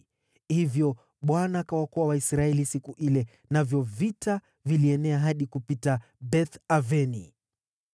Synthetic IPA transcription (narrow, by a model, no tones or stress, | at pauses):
hivjɔ | ɓwanaːkawakɔwawaisɾaɛlisikuʔilɛ | navjɔvita | viliɛnɛaɦaɗikupita | bɛθavɛnḭ